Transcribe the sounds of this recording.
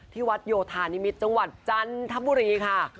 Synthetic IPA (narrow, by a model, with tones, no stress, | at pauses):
t̪ʰiː˥˩wa˦˥t̪̚joː˧t̪ʰaː˧ni˦˥mi˦˥t̪̚t͡ɕa˧ŋwa˨˩t̪̚t͡ɕa˧nt̪ʰa˦˥buː˧ɾiː˧kʰa˥˩